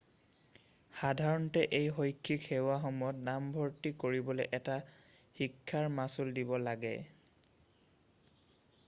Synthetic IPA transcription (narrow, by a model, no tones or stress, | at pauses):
xadʱaɹɔntɛʔejɦojkʰːikxewaxɔmɔjɔtnambʱɔɹtikoɹibɔlɛʔɛta | xikʰːaɹmasuldibɔlaɡɛ̰